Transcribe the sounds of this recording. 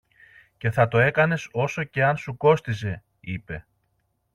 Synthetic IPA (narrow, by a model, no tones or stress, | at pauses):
ce̞θɐt̪o̞e̞kɐne̞so̞so̞ce̞ɐnsuko̞st̪is̬e̞ | ḭpe̞